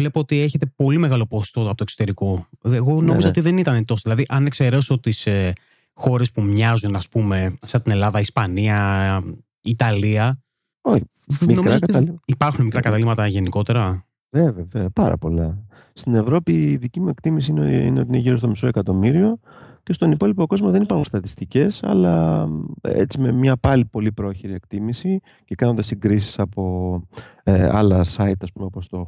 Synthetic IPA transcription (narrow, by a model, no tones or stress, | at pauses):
le̞poot̪ie̞çe̞t̪e̞po̞lime̞ɣɐlo̞post̪o̞t̪oɐpt̪oksot̪eɾiko̞eɣo̞no̞mizoot̪iðe̞nit̪ɐnet̪o̞soðilɐðiʔɐne̞kse̞ɾe̞so̞t̪is | xo̞ɾe̞spumɲɐzunɐspume̞sɐt̪ine̞lɐðɐispɐniɐ | it̪ɐliɐ | oçi | minomiɾzoɐiipɐɾxunemikɾɐkɐt̪ɐlimɐt̪ɐʝe̞niko̞t̪e̞ɾɐ | veveveopɐɾɐ̰po̞lɐ | st̪ine̞vɾo̞piːðicimue̞kt̪imis̬inḭneot̪ine̞ʝiɾo̞st̪o̞miso̞e̞kɐt̪o̞miɾio̞ | ce̞st̪o̞nipo̞lipo̞ko̞zmoðe̞nipɐɾxunst̪ɐt̪ist̪ice̞sɐ̰lɐ | ḛt͡sime̞mɲɐpɐlipo̞lipɾo̞çiɾie̞kt̪imisi | ce̞kɐnond̪ɐsiɡɾisi̥sɐpo̞ | ɐlɐsɐit̪ɐspumeɐpost̪o̞x